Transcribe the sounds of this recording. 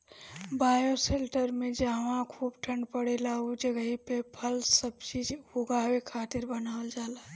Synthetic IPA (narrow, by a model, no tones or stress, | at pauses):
baːjoselʈəɾmẽd͡ʒaːʋãkʰuːbʈʰəɳɖpəɽelaud͡ʒəɡəɦipepʰəlsəb̚t͡ʃiːd͡ʒɦoɡawekʰaːt̪ɪɾbənaːəld͡ʒaːla